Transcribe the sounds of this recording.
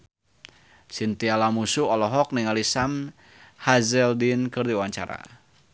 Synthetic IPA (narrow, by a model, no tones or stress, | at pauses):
sint̪ialamusuɔlɔɦɔk̚niŋalisam | hazɛldinkərdiwaɲt͡ʃa̰ɾa̰